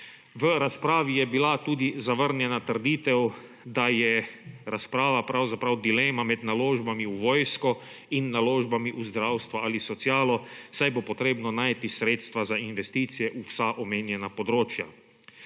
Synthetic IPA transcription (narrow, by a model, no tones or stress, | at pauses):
ʋəɾaspɾaːʋijɛbilat̪uːd̪izaʋəɾnjɛnat̪əɾd̪iːt̪ɛw | d̪ajɛɾaspɾaːʋapɾawzapɾawd̪ilɛmamɛd̪naloːʒbamiuʋoːjskɔ | inːaloːʒbamiʔuzd̪ɾawst̪ʋaalisɔt̪sjaːlɔsajbopɔt̪ɾeːbnɔnaːjt̪isɾeːt̪st̪ʋazainʋɛst̪iːt̪sijɛʔusaʔɔmeːnjɛnapɔd̪ɾoːt͡ʃja